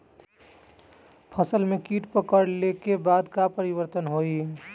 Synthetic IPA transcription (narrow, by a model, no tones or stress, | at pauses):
pʰəsəlmekiʈpəkəɽlekebad̪kapəɾibəɾt̪ənɦoi